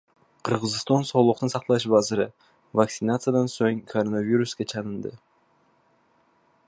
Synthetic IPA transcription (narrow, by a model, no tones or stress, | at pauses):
qʰɯɾʁɯzɨst̪onso̞lˠuqt̪ɯnsɑqt̪ˠɑʃbɑzɯɾɯ | vaksɪnat̪sɨjad̪ɑnsoŋkʰoɾonavʲiɾuskʲet͡ʃʰɑnɯnd̪ɯ